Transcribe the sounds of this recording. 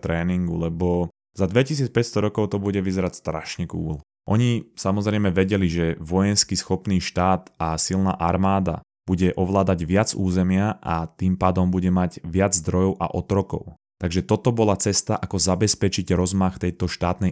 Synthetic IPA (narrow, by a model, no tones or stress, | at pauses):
t̪ɾɛːniŋɡulɛbɔ | zad̪ʋɛcis̬iːt͡spɛcst̪ɔɾɔkɔʊt̪ɔbuɟɛʋizɛɾacst̪ɾaʃɲɛkṵːl | ʔɔɲisamɔzɾɛjmɛʋɛɟɛliʒɛʋɔjɛnskisxɔpniːʃt̪aːt̪asilna̰ːʔaɾmaːd̪a̰ | b̥uɟɛʔɔʋlaːd̪aɟʋɪad͡zuːzɛmɪaʔat̪iːmpaːd̪ɔmbuɟɛmaɟʋɪad͡zzd̪ɾɔjɔʊʔa̰ʔɔt̪ɾɔkɔ̰ʊ | t̪aɡʒɛt̪ɔt̪ɔbɔlat͡sɛst̪aʔakɔzabɛspɛt͡ʃiɟɾɔzmaxt̪ɛjt̪ɔʃt̪aːt̪nɛ